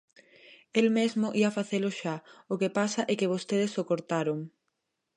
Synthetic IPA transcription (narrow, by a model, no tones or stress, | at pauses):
elmezmʊʔiafaθelʊʃaʊkepasaʔɛkeβ̞ost̪eð̞esokoɾt̪aɾʊŋ